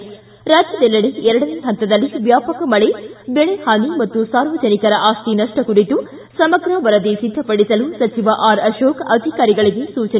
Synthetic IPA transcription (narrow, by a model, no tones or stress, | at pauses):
ɾaːd͡ʒjɐd̪ɛlːɐɽeɛɾɐɽɐneɦɐnt̪ɐd̪ɐlːiʋjaːpɐkɐmɐɭebɛɭehaːnimɐt̪ːusaːɾʋɐd͡ʒɐnikɐɾɐʔaːst̪inɐʂʈɐkuɾit̪u | sɐmɐɡɾɐʋɐɾɐd̪esid̪ʱːɐpɐɽisɐlusɐt͡ʃiʋɐʔaːɾɐʃoːkɐd̪ʱikaːɾiɡɐɭiɡesuːt͡ʃɐ